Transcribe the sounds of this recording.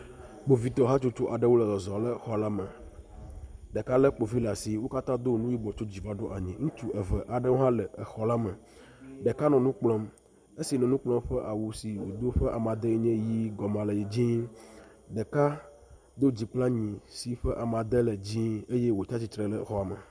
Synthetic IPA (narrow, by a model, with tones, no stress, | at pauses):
k͡po˨vi˨t̪ɔ˨ɦa˦t͡ʃo˦t͡ʃo˦ʔa˨ɖə˦wo˦lə˨zɔ˨zɔ˨lə˦xɔ˨la˦mə˨ | ɖə˨ka˦lə˦k͡po˨vi˦la˨si˨wo˦ka˦t̪ã˦d̪o˦nũ˦ji˦bɔ˨t͡ʃo˦d͡ʑi˨va˦ɖo˦ʔa˨ɲĩ˨ŋũ˦t̪u˦˨ə˨və˨ʔa˨ɖə˦wo˦ɦã˦lɛ˨ə˨xɔ˨la˦mə˨ | ɖɛ˨ka˦nɔ̃˨nũ˦k͡plɔ̃˦m | e˦si˨nɔ̃˨nũ˦k͡plɔ̃˦mɸə˦ʔa˨wu˨si˨wo˨d̪o˦ɸə˦ʔa˨mã˨d̪e˦i˦ɲẽ˦ji˦ɡɔ˨mã˨lə˨ji˨d͡ʑĩ˦ | ɖə˨ka˦ | d̪o˦d͡ʑi˨k͡plã˦ɲĩ˨si˨ɸə˦ʔa˨mã˨d̪ə˦lə˨d͡ʑĩ˦e˦je˦wo˨t͡ʃa˦t͡ɕi˦t̪ɾə˨lə˦xɔ˦a˨mə̰˨